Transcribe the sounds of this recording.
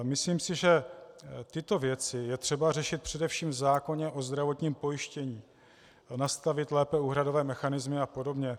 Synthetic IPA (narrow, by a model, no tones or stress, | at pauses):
mɪsliːmsɪʒɛ | t̪ɪt̪o̞vjɛt͡sɪjɛt̪r̝̥ɛbar̝ɛʃɪt̪̚pr̝̥ɛdɛfʃiːmzaːko̞ɲɛʔo̞zd̪ɾavo̞t̪ɲiːmpo̞jɪʃcɛɲiː | nast̪avɪt̪lɛːpɛuːɦɾado̞vɛːmɛxanɪzmɪapo̞do̞bɲɛ